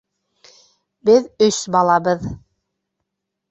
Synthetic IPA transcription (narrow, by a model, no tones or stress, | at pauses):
bɘðɵsbɑlˠɑbɤð